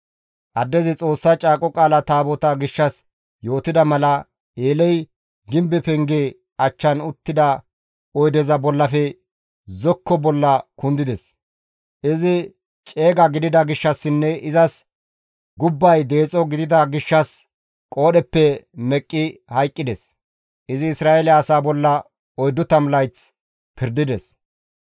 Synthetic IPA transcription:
ʔɐd̪ːɛzɪt͡sʼo̞ːsːɐt͡ʃʼaːkʼɔkʼaːlɐt̪aːbɔt̪ɐɡɪʃːɐs | jo̞ːt̪ɪd̪ɐmɐlɐ | eːlɛj | ɡɪmbɛpɛŋɡeː | ɐt͡ʃːɐnʊt̪ːɪd̪ɐ | ɔjd̪ɛzɐbɔlːɐfɛ | zɔkːɔbɔlːɐkʊnd̪ɪd̪ɛs | ʔɪzɪ | t͡ʃʼe̞ːɡɐɡɪd̪ɪd̪ɐɡɪʃːɐsːɪnːɛɪzɐs | ɡʊbːɐjd̪e̞ːt͡sʼɔɡɪd̪ɪd̪ɐɡɪʃːɐs | kʼo̞ːɗɛpːɛmɛkʼːɪhɐjkʼːɪd̪ɛs | ʔɪzɪːsɾaːʔelɪɐːsaːbɔlːɐ | ɔjd̪ːʊt̪ɐmlɐjt͡s | pʰɪɾd̪ɪd̪ɛs

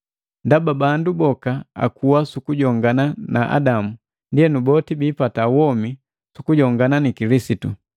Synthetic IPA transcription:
ndababandubɔkaa̰kuwasukuɟɔŋɡananaʔa̰damu | ndiɛnubɔtibiːpatawɔmi | sukuɟɔŋɡananikilisitu

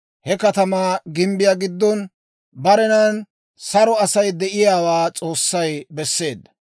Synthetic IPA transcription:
hɛkɐt̪ɐmaːɡɪmbɪjaɡɪd̪ːɔn | bɐɾɛnɐn | sɐɾɔɐsɐjd̪ɛʔɪjaːwaːt͡sʼo̞ːsːɐjbɛsːe̞ːd̪ːɐ̥

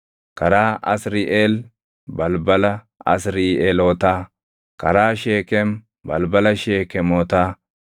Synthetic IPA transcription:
kɐɾaːʔɐ̰sɾiːʔeːl | bɐlbɐlɐ | ɐ̰sɾiːʔeːloːt̪aː | kɐɾaːʃeːkɛm | bɐ̰lbɐlɐʃeːkɛmɔːt̪aː

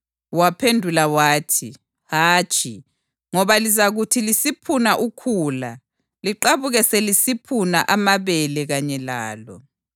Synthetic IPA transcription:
wapʰendʱulawaːtʰi | haːt͡ʃʼi | ŋɔβalizaɣutʰilisipʰunaʔukʰuːla | liǃaβuɣɛselisipʰuna̰ʔamaβɛlɛɣaɲɛlaːlɔ̰

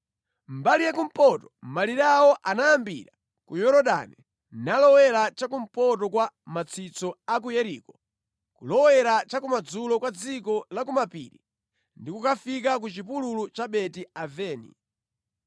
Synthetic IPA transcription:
mbalijakum̩pɔtɔ̥maliɾawɔʔanajambḭɾa | kujɔɾɔɗa̰nɛ | nalɔwɛɾat͡ʃak̬um̩pɔtɔkwamat͡sʰit͡sɔak̬ujɛɾiːkɔ | kulɔwɛɾat͡ʃakumad͡zulɔkwad͡zikɔlakumapḭɾi | ndikukafik̬ak̬ut͡ʃipululut͡ʃaɓɛtiavɛːnḭ

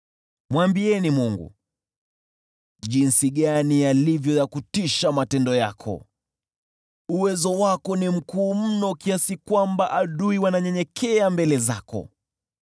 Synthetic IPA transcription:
mwambiɛnimuŋɡṵ | ʄinsiɠanialivjɔjakutiʃamatɛndɔja̰kʰɔ̰ | uwɛzɔwakɔnim̩kuːm̩nɔkiasikwambaʔaɗuiwanaɲɛɲɛkʰɛambɛlɛza̰kɔ̰

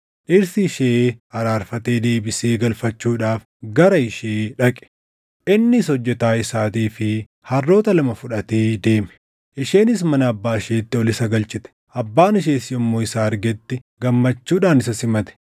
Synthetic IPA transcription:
ʔɪɾsɪɪʃeːɐɾaːɾfɐt̪e̞ːd̪e̞ːbɪseːɡɐlfɐt͡ʃːuːᶑaːf | ɡɐɾɐɪʃeːᶑɐkʼɛ̥ | ʔɪnːɪsɔd͡ʒːɛt̪aːɪsaːt̪iːfɪ | hɐrːo̞ːt̪ɐlɐmɐfʊᶑɐt̪eːd̪e̞ːmɛ̥ | ʔɪʃe̞ːnɪs̬mɐnɐːbːaːɪʃeːt̪ːɪɔlɪsɐɡɐlt͡ʃʼɪt̪ɛ̥ʔɐbːaːnɪʃ̬eːsɪjɔmːoːɪsaːɐɾɡɛt̪ːɪ | ɡɐmːɐt͡ʃːuːᶑaːnɪs̬ɐsɪmɐt̪ɛ̥

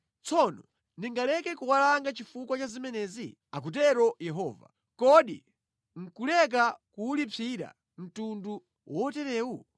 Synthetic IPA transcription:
t͡sʰɔnɔ | ndiŋɡalɛkɛkuwalaŋɡat͡ʃifukwat͡ʃazimɛnɛːzi | ak̬ut̬ɛɾɔjɛɦɔːva̰ | kɔɗi | ŋ̩kulɛk̬akuːlipʰiɾa̰ | m̩tundu | wʔɔtɛɾɛːwu

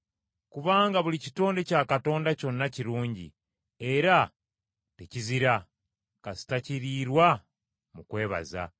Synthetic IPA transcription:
kuβaːŋɡaβulicito̞ːnde̞caːkato̞ːndaco̞nːaciɾuːɲɟḭ | e̞ɾa | teciziɾa | kazi̥taciɾiɾwa | mukwe̞ːβa̰za̰

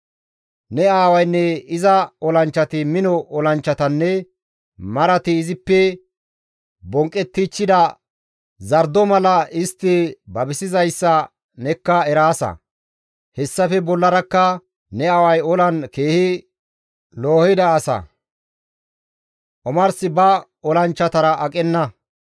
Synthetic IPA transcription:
nɛaːwɐjnːɛɪzɐɔlɐnt͡ʃːɐt̪ɪmɪnɔʔɔlɐnt͡ʃːɐt̪ɐnːɛ | mɐɾɐt̪ɪːzɪpːɛ | bɔŋkʼːɛt̪ːɪt͡ʃːɪd̪ɐ | zɐɾd̪ɔmɐlɐɪst̪ːɪbɐbɪsɪzɐjsːɐ | nɛkːɐɛɾaːsɐ̰ | hɛsːɐfɛbɔlːɐɾɐkːɐ | nɛɐwɐjɔlɐnke̞ːhɪ | loːhɪd̪ɐːsɐ̰ | ʔɔmɐɾsɪbɐ | ɔlɐnt͡ʃːɐt̪ɐɾɐʔɐkʼɛnːɐ

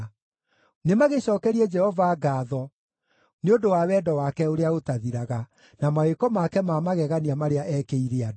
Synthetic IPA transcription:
nemaɣeɕɔːkɛɾiɛd͡ʒɛhɔvaːɡaːðɔ | neodowawɛːdɔwakɛoɾeaotaðiɾaɣa | namaekɔmakɛmamaɣɛɣaniamaɾeaʔɛkeiɾead

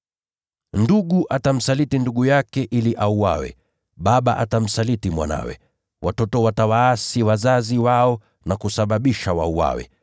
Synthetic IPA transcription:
nduɠuʔatam̩salitinduɠujakɛʔiliʔauwa̰wɛ̰ | ɓaɓa̰ʔatam̩salitimwa̰na̰wɛ̰ | wʔatɔtɔwatawaːsiwazaziwaɔ | nakusaɓaɓiʃawa̰uwa̰wɛ̰

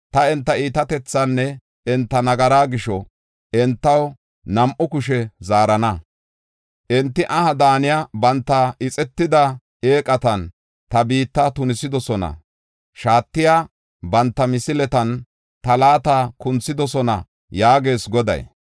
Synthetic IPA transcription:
t̪ɐɛnt̪ːɐiːt̪ɐt̪ɛt͡sːɐnːɛ | ɛnt̪ːɐnɐɡɐɾaːɡɪʃɔ | ɛnt̪ːɐw | nɐmʔʊkʊʃɛzaːɾɐnɐ | ʔɛnt̪ːɪʔɐhɐd̪aːnɪjabɐnt̪ːɐʔɪt͡sʼɛt̪ːɪd̪ɐ | eːkʼɐt̪ɐn | t̪ɐbiːt̪ːɐt̪ʊnɪsɪd̪ɔsɔnɐ̰ | ʃaːt̪ːɪjaː | bɐnt̪ːɐmɪsɪlɛt̪ɐn | t̪ɐlaːt̪akʊnt͡sːɪd̪ɔsɔnɐ̰ | jaːɡe̞ːsɡɔd̪ɐ̰j

